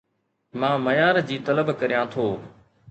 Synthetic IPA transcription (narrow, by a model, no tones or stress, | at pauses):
mãːməjaːɾd͡ʑiːt̪ələbkəɾijãːt̪ʰoː